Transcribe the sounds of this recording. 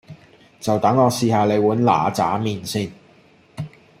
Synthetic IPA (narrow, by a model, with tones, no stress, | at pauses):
t͡sɐ˨wt̪ɐ˨˥ŋːɔː˨˧siː˨haː˨le˨˧jwuː˨˥nla̰ː˨t͡sa̰ː˨˥miː˨nsiː˥˧n